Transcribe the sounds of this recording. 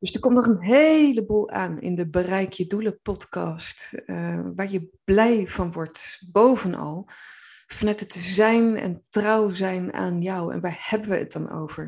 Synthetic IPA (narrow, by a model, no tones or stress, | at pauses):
d̥ɵsdəɹkɔmtnɔχənɦeləbuːlˠaːnɪ̰ndəbərɛjkʰjəduləpɔtkɑst | ʋaːɹjəblɛjv̥ɑnʋɔɹtbowvənʔɑ̰lˠ | fɑnœtətzɛjnɛ̰ntrɑwzɛjna̰ːnjɑwɛ̰nʋaːɹhɛbənʋəə̰t̚dɑno̰wv̥əɹ